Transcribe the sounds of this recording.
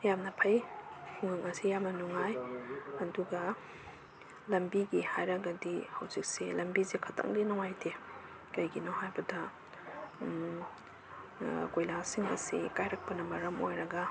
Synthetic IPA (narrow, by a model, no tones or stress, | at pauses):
jamnɐpʰɐjhʰuŋɯŋɐsijamnɐnuŋajɐduɡɐ | lɐmbiɡihajɾɐɡɐdihɐwzik̚selɐmbizikʰɐtʰɐ̰ŋdinɔŋajtʰe | kɐjɡinɔɦajbɐdɐ | kojlasiŋɐ̰sḭkajɾɐk̚pɐnɐmɐɾɐmo̰jɾɐɡɐ